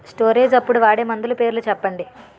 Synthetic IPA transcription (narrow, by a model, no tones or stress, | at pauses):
sʈoːɾeːd͡ʒɐpːuɽuʋaːɽeːmɐnd̪ulupe̞ːɾulut͡ʃɛpːɐɳɖi